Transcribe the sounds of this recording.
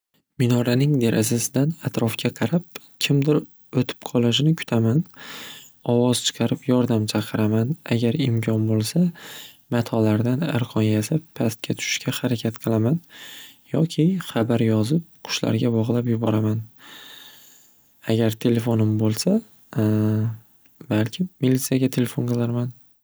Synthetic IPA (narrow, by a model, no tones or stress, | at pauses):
mɪnɒɾanɪŋd̪e̞ɾʔazasɪd̪anat̪ɾɒfkʲaqʰɑɾap̚ | kʲʰɪmd̪ɪɾ | ot̪ʰɪ̥p̚qʰɒlˠaʃɪnɪkʰʊ̥t̪ʰaman | ɒwɒz̥t͡ʃʰɨ̥qʰɑɾɪpjɒɾd̪amt͡ʃʰɑqʰɨɾamana̰ɡʲaɾɪmkʲʰɒnbolˠsa | mat̪ʰɒlaɾd̪ana̰ɾqʰɒnjasapʰːast̪̚kʲat̪ʰʊ̥ʃɪ̥ʃkʲʰahaɾakʲʰat̪qʰɨlˠamanjɒkʲʰɪχabaɾjɒzɪp̚qʰʊ̥ʃla̰ɾɡʲabɒʁlˠapjʊbɒɾaman | aɡʲaɾt̪ʰe̞le̞fonɪmbolˠsa | balkʲʰɪmilit̪sijaɡʲat̪ʰe̞lefonqɨlˠaɾman